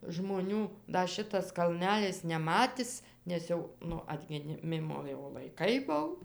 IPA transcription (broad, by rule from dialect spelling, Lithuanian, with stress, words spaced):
ʒmoːˈnʲuː ˈdɐ ˈʃʲɪtɐs kɐlʲˈnʲælʲɪs nʲɛˈmɑːtʲɪs nʲɛs ˈjɛʊ ˈnʊ ɐdʲɡʲɪˈmʲɪmoː jɛʊ lˠɐɪˈkɐɪ ˈbʊw